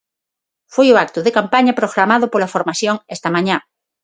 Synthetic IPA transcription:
fojoak̚t̪oðekampaɲapɾoɣɾamaðopolafoɾmaθjoŋest̪amãɲã

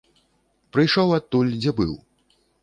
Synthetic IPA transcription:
pɾɨjʂɔwat̪ːulʲd͡zʲɛbɨw

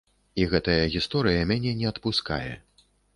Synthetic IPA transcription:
iɣɛt̪ɐjɐɣʲist̪ɔɾɨjɐmʲanʲɛnʲɛɐt̪puska̰jɛ̰

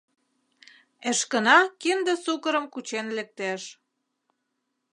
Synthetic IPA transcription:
eʃkənɑkind̪ə̆sukəɾəmkut͡ɕenlĕk̚t̪eʃ

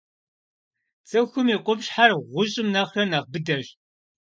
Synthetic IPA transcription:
t͡sʰʼɐxʷʊmiːqʷʼʊbɕħarʁʷʊɕʼɪmnɐχrɐnɐʁbɨdɐɕ

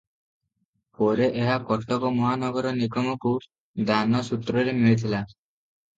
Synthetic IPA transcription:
pɔɾeʔeɦakɔʈɔkɔmɔɦanɔɡɔɾɔnikɔmɔku | d̪anɔsut̪ɾɔɾemiɭit̪ʰila

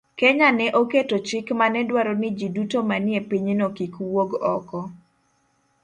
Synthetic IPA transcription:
keɲanɛʔoketot͡ʃɪkmanɛdwaɾɔnɪd͡ʒidutomanɪepiɲnokikuwoɡɔ̰kɔ

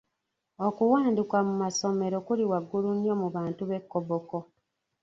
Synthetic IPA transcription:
okuwaːndikwamumaso̞me̞ɾokuliwaɡːulunjomuβaːntuβe̞kːoβoko

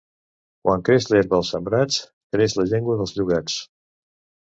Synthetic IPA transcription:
kwaŋkɾeslɛɾβəəlˠsəmbɾat͡s | kɾesləʎɛŋɡwəðəlˠzʎuɣat͡s

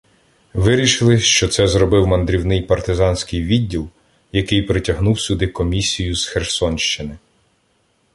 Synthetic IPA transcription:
ʋɪɾʲiʃɪlˠɪʃt͡ʃɔt̪sɛzɾɔbɪwmɐnd̪ɾʲiwnɪjpɐrt̪ɪzɑnsʲkɪjʋʲidʲːilˠ | jɐkɪjpɾɪtʲɐɦnuwsʲʊd̪ɪkɔmʲisʲijʊsxersɔnʃt͡ʃɪnɪ

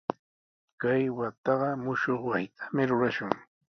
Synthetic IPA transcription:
kajwat̪ɑɢɑmʊʃoχwajt̪ʰḁmɪɾʊɾaʃʊŋ

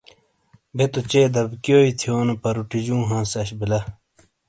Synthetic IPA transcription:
bet̪ot͡ɕeːd̪ɐbkjoːit̪ʰjoːnɐpɐɾuʈid͡ʑũːɦãːsɐɕbilɐ

